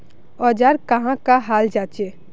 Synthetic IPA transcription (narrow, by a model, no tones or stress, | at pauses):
ɔːd͡ʒaːɾkəɦãkaɦaːld͡ʒaːt͡ʃe